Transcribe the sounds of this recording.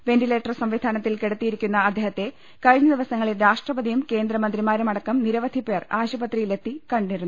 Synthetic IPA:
ʋe̞nɖileːʈːɐrsɐmʋid̪ʱaːnɐt̪ːilkeɽɐt̪ːijiɾikʲːunːɐɐd̪ʱːeːɦɐt̪ːe̞ | kɐɻiɲːɐd̪iʋɐsɐŋːɐɭilɾaːʂʈrɐbɐd̪ʱijumke̞ːnd̪ɾɐmɐnd̪rimaːɾumɐɽɐkːɐmniɾɐʋɐd̪ʱipe̞ːraːɕubɐt̪rijile̞t̪ːikɐɳɖiɾunːu

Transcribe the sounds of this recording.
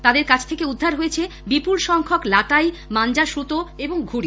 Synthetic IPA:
t̪ad̪eɾkat͡ɕʰt̪ʰekeud̪ʱːaɾɦoet͡ɕʰebipulʃɔŋkʰoklaʈaj | mand͡ʑaʃɾut̪oeboŋɡʱuɽi

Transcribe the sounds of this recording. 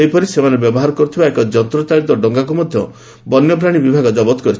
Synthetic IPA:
ejpɔɾisemanebjɔbɔɦaɾɔkɔɾut̪ʰibaekɔd͡ʒɔnt̪ɾɔt͡ʃ̪aɾit̪ɔɖɔŋɡak̬umɔd̪ʱjɔ | bɔnjɔpɾaɽ̃ibibʱaɡɔd͡ʒɔbɔt̪ɔkɔɾit͡ʃʰ

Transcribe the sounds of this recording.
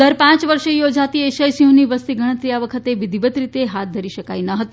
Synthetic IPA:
d̪əɾpãt͡ʃʋəɾʃejod͡ʒat̪ieʃəjsiɦũniʋəst̪iɡəɽ̃ət̪ɾijaʋəkʰət̪eʋid̪ʱibət̪ɾit̪eɦat̪̚d̪ʱəɾiʃəkajnəɦət̪ː

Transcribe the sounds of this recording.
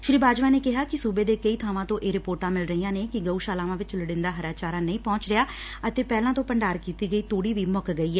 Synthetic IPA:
ʃɾiːbaːd͡ʒʋaːneːkɪɦaːkɪsuːbeːd̪eːkəiːt̪ʰaːʋãːt̪õːʔeːɾɪpoːɾʈãːmɪlɾəiːjãːneːkɪɡəuːʃaːlãːʋãːʋɪt͡ʃləɽɪnd̪aːɦəɾaːt͡ʃaːɾãːnəĩːpɔ̃ːt͡ʃɾɪaː | ət̪eːpɛːlãːt̪õːpəɳɖaːɾkiːt̪iːɡəiːt̪oːɽiːʋiːmʊkɡəiːɛː

